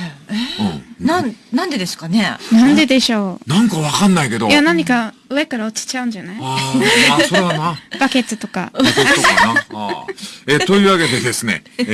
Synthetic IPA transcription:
ẽnãnnãnd̪e̞d̪e̞sɨ̥kanenãnd̪e̞d̪e̞ɕo̞ːnãŋkaβakanːaike̞d̪ojanãɲ̟ika | ɯ̟e̞kaɾaot͡ɕi̥t͡ɕaɯ̟̃ɲ̟d͡ʑanai | sod̪anab̥ake̞t̪ɨt̪o̞ka̰ | et̪o̞iːβaɡe̞t̪e̞d̪e̞sɨne̞̰

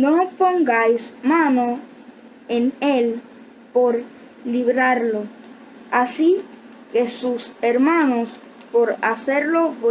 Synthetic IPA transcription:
nopo̞ŋɡajsmãno̞ | enel | po̞ɾ | liβɾaɾlo | asi | ke̞suseɾmãnos | po̞ɾase̞ɾlo̞βo

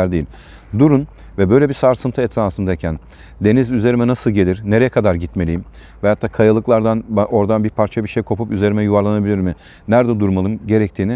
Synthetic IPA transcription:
æɾd̪ejilʲ | d̪uɾun | vɛbø̞jlʲebisaɾsɯnt̪ʰɯɛt̪ʰɾaːsɯnd̪aicʰæn | d̪e̞nizyze̞ɾimɛnasɯlˠɟe̞lʲiɾne̞ɾejɛkʰad̪aɾɟit̪me̞lʲijim | vɛjat̪ʰːaːkʰajalˠɯklˠaɾd̪anbao̞ɾd̪anbiɾpʰaɾt͡ʃʰabiʃejkʰo̞pʰupyze̞ɾimɛjuvaɾlˠanabilʲiɾmi | næɾd̪ɛd̪uɾmalˠɯmɟe̞ɾɛc̚t̪ʰiːni

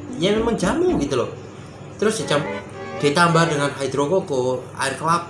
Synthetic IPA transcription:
jamemaŋd͡ʒamaŋɡit̪ulɔ | t̪əɾʊsd̥it͡ʃam | d̥e̤t̪ambadəŋanɦajd̪ɾokokoa̰ɪrkəlap̚

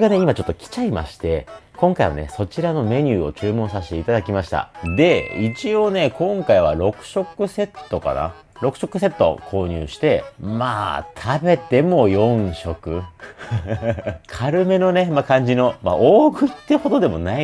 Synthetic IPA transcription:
ɡane̞imat͡ɕot̪ːokʲi̥t͡ɕaima̰ɕi̥t̪e̞̰kõ̞ŋkaiβa̰ne̞̰so̞t͡ɕiɾano̞me̞ɲ̟ʲɨːo̞̰t͡ɕɨːmõ̞ɰ̃saɕi̥t̪e̞it̪ad̪akʲimaɕi̥t̪a̰d̪e̞it͡ɕio̞ːne̞kõ̞ŋkaiβaɾo̞kɯ̟̥ɕo̞kɯ̟se̞t̪ːo̞ka̰na̰ | ɾo̞kɯ̟̥ɕo̞kːɯ̟se̞t̪ːo̞̰kʰo̞ːɲ̟ɨ̰ːɕi̥t̪e̞ma̰ːt̪ʰabe̞t̪e̞mo̞jõ̞ŋɰ̃ɕo̞kɯ̟ | kʰaɾɯ̟me̞no̞ne̞makãɲ̟d͡ʑino̞maʔoːɡɯ̟it̪ːeho̞d̪o̞d̪e̞mo̞nai

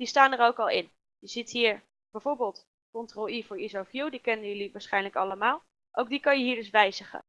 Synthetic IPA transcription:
d̥istaːnəɹowkɑlˠɪn | jəz̥itɦiːɹ | b̥ɛjv̥oːɹbɪːlˠt | kɔntroivʊːɹizofjuwdikɛnənjɵliʋaːɹsχɛjnləkɑləmaːlˠ | ʔowɡ̚dikɑnjəɦiːɹdɵsʋɛjzəχə̰

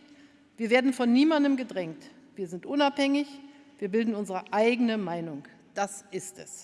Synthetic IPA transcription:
v̥iːɐveːɐdn̩fɔnːiːmandəmɡədʁɛŋt | v̥iːɐzɪntʔʊnaphɛŋɪç | v̥iːɐbɪldn̩ʊnzəʁəʔaɪɡənəmaɪnʊŋ | d̥asʔɪstɛ̰s

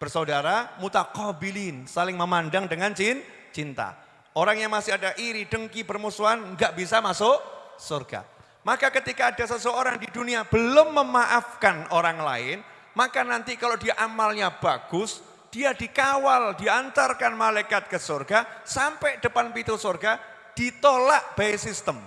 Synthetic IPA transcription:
b̥ərsaudaɾamut̪akɔbilinsalɪŋməmandaŋdəŋant͡ʃin | t͡ʃint̪a̰ | ʔoɾaŋjaŋmasɪhadaʔiɾidəŋkibərmusuanŋɡaʔbisamasʊʔsurɡ̥a̰ | makakət̪ikaːdasəsəoɾaŋdiduniab̥əlʊmːəmaʔafkanoɾaŋla̰ɪn | makanant̪ikalodiaʔamalɲab̥aɡ̥ʊs | d̥iadikawaldiant̪arkanmalajkat̪̚kəsorɡasampɛʔd̥əpanpit̪usorɡa | d̥it̪olaʔb̥aisist̪əm

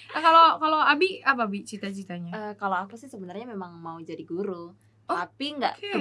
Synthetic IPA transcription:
kalokaloabiap̬aːbit͡ʃit̪at͡ʃit̪aɲaəkaloakusɪhsəbənarɲamemaŋmaud͡ʒadiɡuɾu | t̪oapiŋɡa̰ʔke

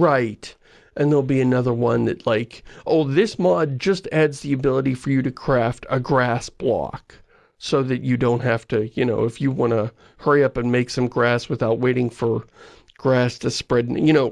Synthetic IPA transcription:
ɹaɪt | ʔɨ̃nðəlˠbiɨnʌðə˞wʌ̃nðɨ̰tˡlaɪkʔoʊðɪsmɑd̚d͡ʒʌstædzðiɨbɪlˠəɾifə˞jɨɾɨkʰɹ̥æftʰɨɡɹæsb̥lɑ̰k | soʊðɨt͡ʃɨdõʊ̃nt̚hæftɨjɨnoʊɨfjɨwɑ̃ñə | hɜ˞iʌpɨ̃nmeɪksʌ̃mɡɹæswɨθaʊt̚weɪɾɪ̃ŋfə˞ | ɡ̥ɹæstʰɨspɹɛdⁿjɨñoʊ

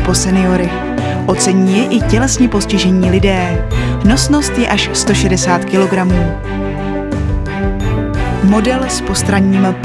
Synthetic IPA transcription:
po̞sɛnɪo̞ɾɪ | ʔo̞t͡sɛɲiːjɛʔɪcɛlɛsɲɛpo̞scɪʒɛɲiːlɪdɛːno̞sno̞st̪jɛʔaʃst̪o̞ʃɛdɛsaːt̪kɪlo̞ɡɾamuː | mo̞dɛlspo̞st̪ɾaɲiːmp

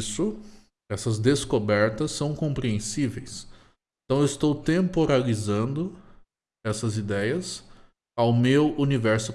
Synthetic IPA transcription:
sʊ | ɛsɐzd̪eskobɛɾt̪ɐsːɐ̃w̃kõpɾiẽsivejs | ẽt̪ɐ̃w̃ewɪst̪owt̪ẽmpoɾalizɐ̃nd̪ʊ | ɛsɐzid̪ɛjɐs | awmewunivɛɾsʊ

